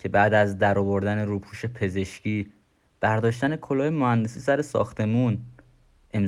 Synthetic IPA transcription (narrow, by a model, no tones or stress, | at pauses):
cʰe̞bæːd̪æzd̪æɾɒvoɾd̪æne̞ɾuːpʰuːʃe̞pʰe̞ze̞ʃcʰiː | b̥æɾd̪ɒːʃt̪æne̞kʰolɒːjemohænd̪e̞siːsæɾe̞sɒ̰ːxt̪e̞mun | e̞m